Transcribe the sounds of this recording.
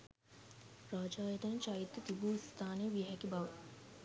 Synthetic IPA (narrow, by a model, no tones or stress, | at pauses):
ɾaːd͡ʒaːjət̪ɐnt͡ʃait̪ːət̪ibuːst̪ʰaːnejəʋijɦɛkibaʋə